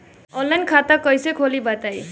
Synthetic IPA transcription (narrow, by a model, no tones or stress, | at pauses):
ɔlːajnkʰat̪akʌjsekʰolibat̪aj